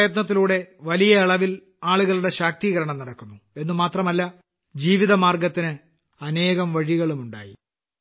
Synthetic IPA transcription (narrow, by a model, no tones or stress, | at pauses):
jɐt̪nɐt̪̬ːiluːɽe̞ʋɐlijɐiɭɐʋil | aːɭuɣɐɭuɽe̞ɕaːk̚t̪iɣɐɾɐɳɐmnɐɽɐkːunːue̞nːumaːt̪rɐmɐlːɐ | d͡ʑiːʋiðɐmaːrɡɐt̪ːinɨ | ɐne̞ːɣɐmʋɐɻiɣɐɭumuɳɖa̰ːji